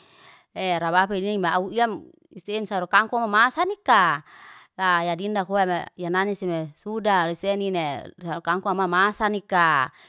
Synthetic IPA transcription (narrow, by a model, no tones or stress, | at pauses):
eɾabapeninimaauiam | ist̪einsaɾukaŋkuamamasanika | lajadindakuamajananisimesudalist̪eninesaɾukaŋkuamamasanika